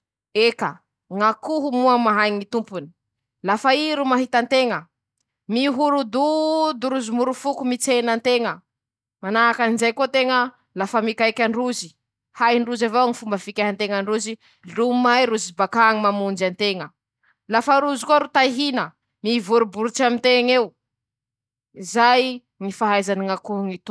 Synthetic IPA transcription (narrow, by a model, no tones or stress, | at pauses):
eka | ŋakuɦumuamaɦajŋit̪umpuni̥ | lafaiɾumaɦit̪ant̪eŋə | miɦuɾud̪ud̪uɾuzimuɾufukumit͡senant̪eŋə | manaːkanizajkot̪eŋə | lafəmikajkʲaɳɖ͡ʐuzi | hajɳɖ͡ʐuzavoŋifumbəfikʲaɦant̪eŋaɳɖ͡ʐuzi | lumajɾuzibakaːŋimamund͡ʒant̪eŋə | lafaɾuzikuaɾut̪ajɦinə | mivuɾubuɾut͡ʃamint̪eŋew | izaj | ŋifaɦajzaniŋakuŋit̪u